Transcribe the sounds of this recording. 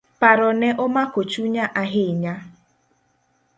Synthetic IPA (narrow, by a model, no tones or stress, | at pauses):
paɾɔneʔʊmakot͡ʃuɲaʔaɦɪɲa